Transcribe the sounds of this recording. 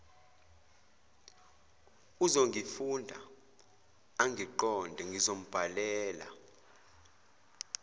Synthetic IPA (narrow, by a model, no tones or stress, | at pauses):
uzoŋɡʱifundʱa | aŋɡʱiǃɔndʱɛŋɡʱizom̩b̥ʱalɛːla̰